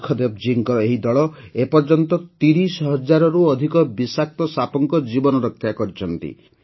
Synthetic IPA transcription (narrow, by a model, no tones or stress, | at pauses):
kʰɔd̪ep̚d͡ʒiŋkɔɾɔeɦid̪ɔɭɔepɔɾd͡ʒɔnt̪ɔt̪iɾisɔɦɔd͡ʒaɾɔɾuɔd̪ʱikɔbisak̚t̪ɔsapɔŋkɔd͡ʒibɔnɔɾɔk̚t̪ʰjakɔɾit͡ʃʰɔnt̪ḭ